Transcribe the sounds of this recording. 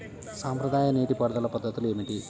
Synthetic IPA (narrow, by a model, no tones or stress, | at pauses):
saːmpɾɐd̪aːjɐneːʈipɐɽɐd̪ɐlːɐpɐd̪ʱːɐt̪ːilemiʈi